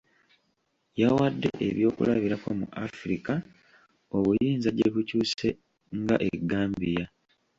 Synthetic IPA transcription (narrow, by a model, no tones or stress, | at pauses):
jawadːe̞̰ʔeβjo̞ːkṵlaβiɾakwomṵʔafɾika | o̞βujiːnzaɟeβucuːse̞ | ŋɡaʔeɡːaːmbija